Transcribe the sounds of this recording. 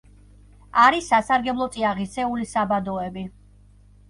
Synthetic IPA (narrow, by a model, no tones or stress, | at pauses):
aɾisːasaɾɡɛblˠɔt̪sʼiaʁitsʰɛulisabad̪ɔɛbi